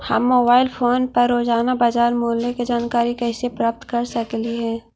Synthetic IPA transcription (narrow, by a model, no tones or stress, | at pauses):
hɐ̰mːoːbaːɪlpʰoːnpɐɾːoːzaːnabaːd͡ʒaːɾmoːlːeked͡ʒaːnkaːɾikɛːsepɾaːp̚t̪kɐɾsɐkliɦɛː